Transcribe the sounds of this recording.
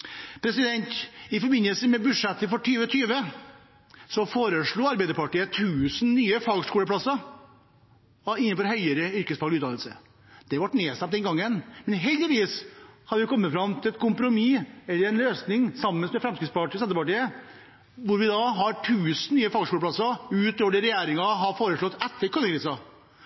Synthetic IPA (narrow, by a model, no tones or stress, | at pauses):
pʰɾɛsɪd̪ɛnt̪ɪfɔɾbɪnːəlsəmɛbʉʂɛt̪ːəfɔʈyːʋət̪ʰyːʋə | sɔfoːɾəʂɭuːɑɾbæɪd̪əɾpɑʈiːət̪ʰʉːsn̩nyːəfɑːɡʂkuːləpʰɽɑsːɑ | ɪnːənfɔɾhœʏəɾəʏɾkəsfɑɡlʉːt̪ːɑnəlsə̰ | d̪̥ɛʋɑʈneːst̪æmpt̪d̪ɛnɡɑŋːənmɛnɦɛld̪ɪʋiːshɑd̪ʋɪkʰɔmːət̪fɾɑmt̪ʰɪlɛt̪̚kʊmpɾʊmiɛlːəɾɛnløːsnɪŋsɑmːənsmɛfɾɛmskɾɪt̪spɑʈːsɛnəpɑʈiːə | ʋʊɾʋɪd̪ɑɦɑʈʰʉːsən̩nyːəfɑːɡʂkuːləpʰlɑsɑʉːt̪oːɖɪɾɛjeːɾɪŋɑɦɑfoːɾəʂɭɔt̪ːɛt̪ːəɾkʰɔnəkɾiːsɑ